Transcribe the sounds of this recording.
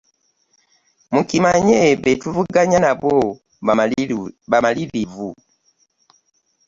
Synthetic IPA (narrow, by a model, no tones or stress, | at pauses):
mukimaɲɛbɛtuvuɡaɲanabɔ | bamalilivu